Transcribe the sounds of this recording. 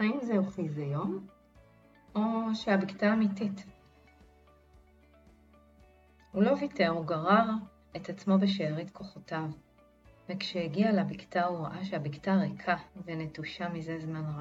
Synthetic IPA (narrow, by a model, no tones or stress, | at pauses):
aimzeoχizejo̞m | o̞ʃeabiktaːmitit | hulo̞viteʁuɡaʁaʁ | etat͡smo̞beʃeːʁitkʰo̞χo̞tav | vekʃehiɡialabiktauʁaʔaʃeabiktaʁekʰavenetuʃamizezmanʁa